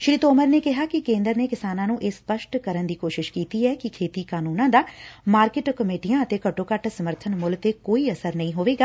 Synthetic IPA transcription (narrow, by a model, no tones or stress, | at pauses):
ʃɾiːt̪oːməɾneːkɪɦaːkɪkẽːnd̪əɾneːkɪsaːnãːnũːʔeːspəʃʈkəɾənd̪iːkoːʃɪʃkiːt̪iːɛːkɪkʰeːt̪iːkaːnuːnãːd̪aːmaːɾkɪːʈkəmeːʈijãːət̪eːkəʈːoːkəʈsəməɾt̪ʰənmʊlt̪eːkoːiːəsəɾnəĩːɦoːʋeːɡaː